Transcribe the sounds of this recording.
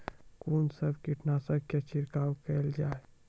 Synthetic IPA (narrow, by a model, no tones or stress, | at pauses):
kuːnsəbkiʈnasəbkət͡ʃʰɪɾkaːwkɛld͡ʒaːe